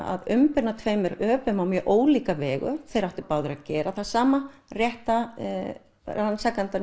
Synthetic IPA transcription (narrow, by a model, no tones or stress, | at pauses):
a̰ðʏmpɪɾnat̪ʰvejmɛɾœːpʏmawmjœʔoːwliːkavɛːɣʏ̰θejɾaht̪ʏɾpaːwðʏɾaðcɛːɾaθaðsaːmarjɛht̪a | ranːsakant̪a